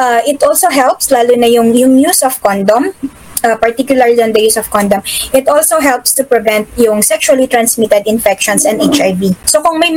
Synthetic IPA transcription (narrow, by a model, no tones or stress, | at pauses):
ʔaʔɪt̪ʔolsoɦɛlpslaːluːnɐjʊŋjʊŋjusɔfkɔnd̪ɔm | ɐpɐɹt̪ikjʊlɐɹliʔɔ̃nd̪ɐjusɔfkɔ̃nd̪omʔɪt̪ʔolsoɦɛlpst̪ʊpɹɪvɛ̃nt̪̚jʊŋsɛkʃuɐlit̪ɾɐnsmit̪ɛd̪ɪnfɛkʃɔ̃nsɛ̃nd̪et͡ʃajvisokʊŋmɐj